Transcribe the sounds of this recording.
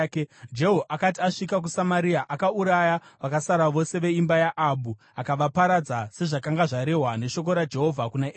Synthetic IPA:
d͡ʒe̞ɦoʔakat̬iaʂikak̬usamaɾiaʔakauɾajaʋakasaɾaʋo̞se̞ʋe̞imbajaʔaɓu | akaʋapaɾad͡zase̞ʐakaŋɡaʐaɾe̞ɦwane̞ʃo̞k̬o̞ɾad͡ʒe̞ɦo̞vʱakuna

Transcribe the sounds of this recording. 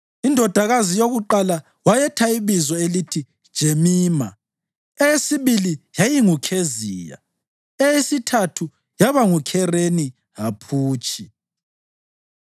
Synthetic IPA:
indʱɔd̥ʱaɣazijoɣuǃala | wajɛtʰaiβizɔelitʰi̥ | ʒ̥ʱemiːma | ɛjesiβilijajiŋukʰeziːja̰ | ɛjesitʰatʰu | jaβaŋukʰɛreni | ɦapʰuːt͡ʃʼi

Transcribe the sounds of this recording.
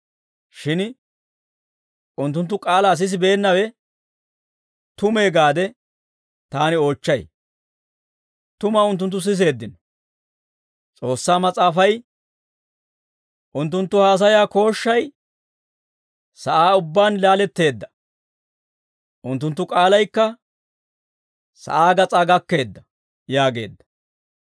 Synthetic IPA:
ʃɪn | ʔʊnt̪ːʊnt̪̬ːʊkʼaːlaːs̬ɪs̬ɪbe̞ːnːɐwɛ | t̪ʊme̞ːɡaːd̪ɛ | t̪aːnɪo̞ːt͡ʃːɐj | t̪ʊmaʊnt̪̬ːʊnt̪̬ːʊs̬ɪs̬e̞ːd̪ːɪn | t͡sʼo̞ːsːaːmɐt͡sʼaːfɐj | ʔʊnt̪̬ːʊnt̪ːʊhaːs̬ɐjaːko̞ːʃːɐj | sɐʔaːʊbːaːnlaːlɛt̪ːe̞ːd̪ːɐ | ʔʊnt̪ːʊnt̪ːʊkʼaːlɐjkːɐ | sɐ̰ʔaːɡɐt͡sʼaːɡɐkːe̞ːd̪ːɐ | jaːɡe̞̰ːd̪ːɐ̥

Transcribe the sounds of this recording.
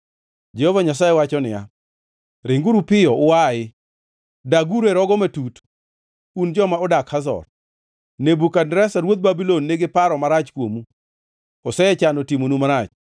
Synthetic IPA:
d͡ʒɛhovaɲasajewat͡ʃɔnɪja̰ | ɾɪŋɡuɾupɪjɔʊwaɪ | daɡuɾeɾɔɡɔmatut | und͡ʒɔmaɔdakhazɔ̰r | nebukandɾɛsaɾwot̪̚babilonːeɡɪpaɾɔmaɾat͡ʃkwomu | ɔsɛɛt͡ʃanotimonumaɾat͡ʃ

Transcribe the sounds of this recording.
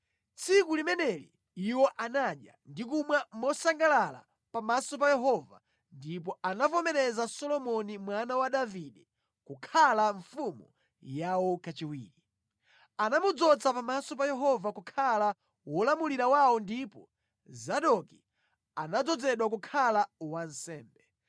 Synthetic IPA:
t͡sʰikulimɛnɛlḭ | iwɔʔanaɗja̰ndikumwamɔsaŋɡalala̰ | pamasɔp̬ajɛɦɔva̰ | ndip̬ɔanavɔmɛɾɛzasɔlɔmɔnimwanawaɗaviɗɛ | kukʰalaɱfumu | jawɔkat͡ʃiwḭːɾi | anamud͡zɔt͡sapamasɔp̬ajɛɦɔvakukʰala | wɔlamuliɾawawɔndipɔ | zaɗɔki | anad͡zɔd͡zɛɗwakukʰalawansɛːmbɛ

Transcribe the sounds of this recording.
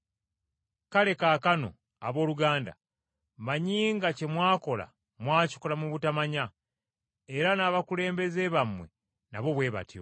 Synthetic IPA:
kale̞kaːkano̞̰ | aβo̞ːluɡaːnda̰ | maɲiːŋɡace̞mwaːko̞la̰ | mwaːci̥kolamuβutamaɲa | eɾanaβakule̞ːmbe̞ze̞βamwe̞̰ | naβo̞βwe̞ːβa̰tʰio̰

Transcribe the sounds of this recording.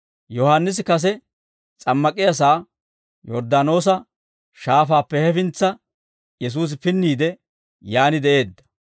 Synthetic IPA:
jɔhanːɪs̬ɪkɐs̬ɛ | t͡sʼɐmːɐkʼɪjɐs̬aː | jɔɾd̪aːno̞ːs̬ɐ | ʃaːfaːpːɛhɛfɪnt͡sːɐ | jɛs̬uːs̬ɪpɪnːiːd̪ɛ | jaːnɪd̪ɛʔe̞ːd̪ːɐ̥

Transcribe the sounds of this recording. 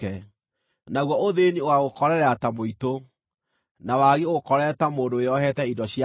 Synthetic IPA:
ɛ | naɣwɔoðeniowaɣokɔɾɛɾɛatamoito | nawaɣeɣokɔɾɛtamoːndoeɔɦɛtɛindɔɕja

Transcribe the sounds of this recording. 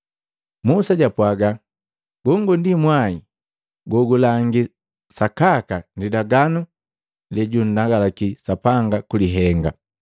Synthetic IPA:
musaɟapwaɡa | ɡ̥ɔŋɡundimwai | ɡɔɡulaŋɡi | sakakandidaɡanu | lɛɟun̩daɡalakisapaŋɡakuliɦɛŋɡa

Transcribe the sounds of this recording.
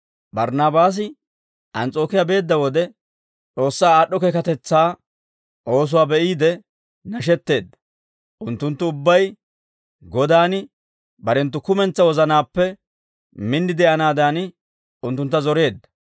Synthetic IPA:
bɐɾnaːbaːs̬ɪ | ʔɐnt͡sʼo̞ːkɪjabe̞ːd̪ːɐwɔd̪ɛ | t͡sʼo̞ːsːaːaːɗːɔkeːkɐt̪ɛt͡sːaː | ʔo̞ːs̬ʊwaːbɛʔiːd̪ɛ | nɐʃɛt̪ːe̞ːd̪ːɐ̥ | ʔʊnt̪ːʊnt̪ːʊʊbːɐj | ɡɔd̪aːnɪ | bɐɾɛnt̪̬ːʊkʊmɛnt͡sːɐwɔzɐnaːpːɛ | mɪnːɪd̪ɛɐnaːd̪aːn | ʊnt̪ːʊnt̪ːɐzɔɾe̞ːd̪ːɐ̥

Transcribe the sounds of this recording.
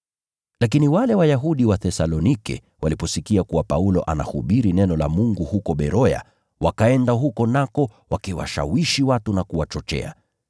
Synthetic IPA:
lak̬iniwalɛwajaɦuɗiwaθɛsalɔnikɛ̰ | wʔalipɔsikiakuwapaulɔʔana̰hṵɓiɾinɛnɔlamuŋɡuhukɔɓɛɾɔja̰ | wakaɛndaɦukɔnakɔwakiwa̰ʃa̰wiʃiwatunakuwat͡ʃɔt͡ʃɛ̰a̰

